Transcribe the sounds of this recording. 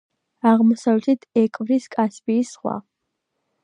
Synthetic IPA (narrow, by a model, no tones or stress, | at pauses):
aʁmɔsavlɛt̪ʰit̪ʰɛkʼvɾiskʼaspʼiːsχwa̰